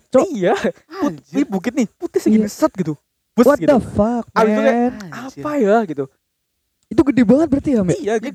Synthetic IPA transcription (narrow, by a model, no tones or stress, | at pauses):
t͡ʃɔija | uibuk̬ɪt̪̚nɪhput̪ɪhsəɡisət̪̚ɡit̪u | bəswat̪dafak̚mat̪ukanapajaɡit̪u | it̪̬uɡədebaŋət̪̚bəɾat̪iɦamɛijaɡ